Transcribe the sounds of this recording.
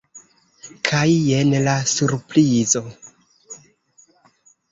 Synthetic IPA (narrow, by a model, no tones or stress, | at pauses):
kʰajenlasuɾpɾizo̞